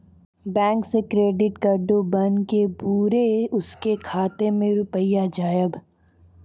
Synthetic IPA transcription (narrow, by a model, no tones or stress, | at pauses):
bɛ̃ːŋksekɾeːɖɪʈkəɾɖobɐnkepuːɾeʊskekʰaːt̪emẽɾʊpəɪjad͡ʒaːjəb